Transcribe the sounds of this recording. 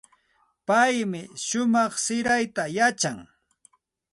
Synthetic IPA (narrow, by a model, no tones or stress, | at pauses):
pajmɪʃʊmɑχsɪɾajt̪ajat͡ʃaŋ